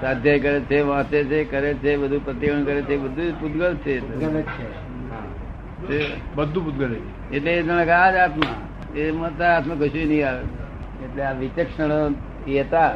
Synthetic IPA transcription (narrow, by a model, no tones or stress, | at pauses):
sad̪ʱjajkəɾet͡ʃʰeʋãt̪et͡ʃʰekəɾet͡ʃʰebəd̪ʱupɾət̪iɾəɳkəɾet͡ʃʰebəd̪ʱupud̪ɡəɾt͡ʃʰeːleɡɾt͡ʃʰe | ɦã | t͡ʃʰebəd̪ʱũpud̪̚ɡəɾet͡ʃʰe | eʈleːd͡ʒ̪əñəkad͡ʒat̪mã | emə̃t̪aat̪mãkəʃũenəĩaʋet͡ʃʰe | eʈleaʋit͡ʃəkʃəɽ̃o | iət̪a